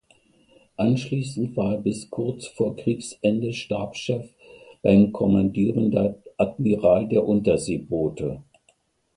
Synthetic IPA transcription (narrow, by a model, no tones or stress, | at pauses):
ʔanʃliːsn̩tv̥aːɐeːɐbɪskʰʊɐt͡sfoːɐkʁ̥iːksʔɛndəʃtaːpʃɛf | b̥aɪmkʰɔmandiːʁəndeːɐʔatmiʁaːldeːɐʔʊntɐzeːboːtʰə